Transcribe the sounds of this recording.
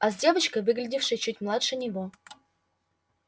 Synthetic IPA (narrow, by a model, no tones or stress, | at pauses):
azʲdʲe̞vət͡ɕkəvɨɡlʲɪdʲɪfʂɨjt͡ɕutʲmlˠat̪ʂɨnʲɪvo